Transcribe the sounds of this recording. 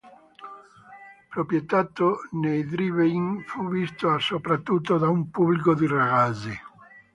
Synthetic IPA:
pɾopɾjet̪at̪ːonejd̪ɾiveŋfuvist̪oasopɾat̪ːut̪ːod̪aumpublikod̪iraɣazi

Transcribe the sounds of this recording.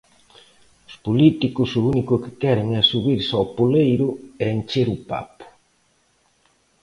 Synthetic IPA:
ʊspolit̪ikʊsʊunikʊkɪ̥kɛɾeŋɛsuβiɾsapolejɾʊɛent͡ʃeɾupa̰pʊ̥

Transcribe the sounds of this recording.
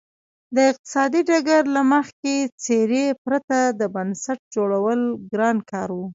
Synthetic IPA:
d̪əɪq̚t̪ɪ̥sɑd̪iɖaɡaɾlaməxket͡seɾepɾat̪ad̪əbansaʈ̚d͡ʒoɽawəlɡɾɑnkɑɾwu

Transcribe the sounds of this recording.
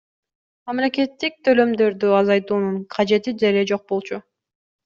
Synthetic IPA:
mɑmle̞kʲe̞t̪ːik̚t̪ʰø̞lø̞md̪ø̞ɾd̪yɑzɑjt̪uːnuɴqʰɑd͡ʒe̞t̪id̪e̞ɾed͡ʒo̞q̚bo̞lˠt͡ʃʰu

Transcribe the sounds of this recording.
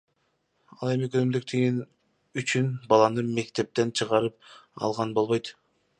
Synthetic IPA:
ɑlˠe̞mikʰønymd̪yk̚t̪ʰiɡin | yt͡ʃynbɑlˠɑnɯme̞kt̪e̞p̚t̪e̞nt͡ʃʰɯʁɑɾɯp̚ɑ̰lˠʁɑnbo̞lˠβo̞jt̪

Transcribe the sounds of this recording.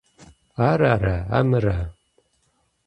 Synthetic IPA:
aɾaɾaa̰mɨɾa

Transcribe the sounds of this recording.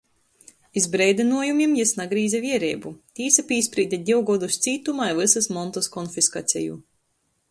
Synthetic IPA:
izbɾɛjd̪ɛnuɔjumʲiɛmjɛsnaɡɾiːzʲɛviɛɾɛːbut̪ʲiːsapʲiːsʲpɾiːd̪ʲad̪ʲiwɡɔd̪ust̪siːt̪umajvɨsasmɔnt̪ɔskɔnfiska̰t̪sʲɛ̰jṵ

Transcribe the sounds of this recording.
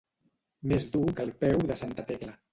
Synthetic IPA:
mezd̪ukəlˠpɛwðəsant̪ət̪eklə

